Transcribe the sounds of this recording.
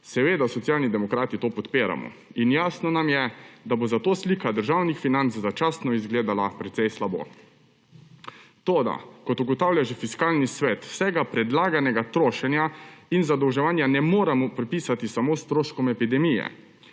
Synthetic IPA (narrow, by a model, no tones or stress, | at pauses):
sɛʋeːd̪asɔt̪sjaːlnid̪ɛmɔkɾaːt̪it̪oːpɔt̪peːɾa̰mɔ̰ | injaːsnɔnamjɛd̪abozat̪oːsliːkad̪əɾʒawnixfinant̪szat͡ʃaːst̪nɔizɡleːd̪alapɾɛt̪sɛjslabo̰ | t̪oːd̪a̰kɔt̪uɡɔt̪aːwljaʒɛfiskaːlnisʋɛt̪sɛɡapɾɛd̪laːɡanɛɡat̪ɾoːʃɛnjainzad̪ɔwʒɛʋaːnjanɛmoːɾamɔpɾɛpiːsat̪isamoːst̪ɾoːʃkɔmɛpid̪ɛmijɛ̰